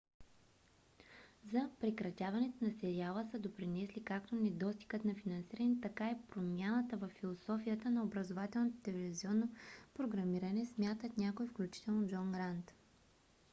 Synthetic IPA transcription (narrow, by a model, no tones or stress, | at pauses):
zɐpɾɛkɾɐt̪ʲavɐnɛt̪onɐsɛɾialˠəsəd̪opɾinɛslikak̚t̪onɛd̪ɔst̪i̥ɡət̪nɐfinɐnsiɾənɛt̪ɐkaipɾomʲjanət̪əvɐfːilˠosɔfijət̪ənɐobɾɐzovat̪ɛlˠnot̪t̪ɛlɛviziɔnːopɾoɡɾɐmiɾɐnɛsmʲjat̪ət̪nʲakoifklʲut͡ʃi̥t̪ɛlˠnod͡ʒɔnɡɾant̪